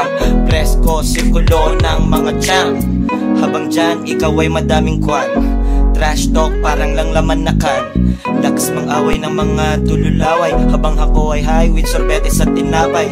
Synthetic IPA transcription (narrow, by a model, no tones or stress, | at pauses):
pɾɛskosɪɾkʊlonɐŋmɐŋad͡ʒan | habaŋd͡ʒanɪkawɐjmɐd̪aːmɪŋkwat̪t̪ɾaʃd̪ok̚paːɾɐŋlɐŋlɐmanːɐkan | lɐkɐsmɐŋʔaːwɐjnɐŋmɐŋat̪ʊlʊlaːwɐjhaːbaŋhɐkoʔɐjɦajwɪd̪̚soɾbɛt̪ɛsɐt̪̚ːɪnlaːbɐj